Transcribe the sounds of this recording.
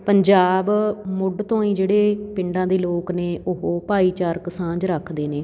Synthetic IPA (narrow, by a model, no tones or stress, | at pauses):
pəɲd͡ʒaːbmʊɖt̪õːĩːd͡ʒeːɽeːpɪɳɖãːd̪eːloːkneːʊɦopaːiːt͡ʃaːɾksãːd͡ʒɾəkʰd̪eːneː